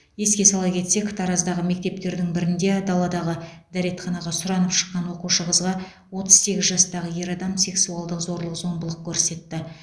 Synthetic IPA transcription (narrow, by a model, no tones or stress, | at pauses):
je̞skʲe̞sɑlˠɑjkʲʰe̞t̪se̞kt̪ʰɑɾɑzd̪ɑʁəme̞k̚t̪e̞p̚t̪e̞ɾd̪ɪŋbɪɾɪnd̪e̞d̪ɑlˠɑd̪ɑʁəd̪æɾe̞t̪χɑnɑʁɑsʊɾɑnəpʃə̥qːɑnwo̞quʃəʁəzʁɑ | wo̞t̪əz̥se̞ɡʲɪzʒɑst̪ɑʁəje̞ɾɑd̪ɑmse̞ksuɑlˠd̪əqzo̞ɾlˠəqzo̞mbəlˠəq̚kʲʰɵɾse̞t̪ːɪ